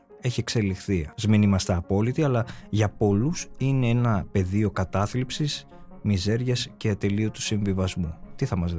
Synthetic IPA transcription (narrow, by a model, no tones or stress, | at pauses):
e̞çie̞kse̞lixθizmenimɐst̪ɐːpo̞lit̪iɐlɐʝɐpo̞lusine̞enɐpe̞ðio̞kɐt̪ɐθlipsis | mize̞ɾʝɐsce̞ɐt̪e̞liot̪u̥siɱvivɐzmut̪iθɐmɐz